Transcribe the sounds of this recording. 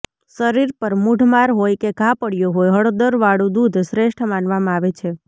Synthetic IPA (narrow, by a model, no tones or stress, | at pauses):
səɾiɾpəɾmuɖʱmaɾɦojkeɡʱãpəɽijoɦojɦəɽod̪əɾʋaɽũd̪ud̪ʱsɾeʃʈʰmãnʋamãaʋet͡ʃʰe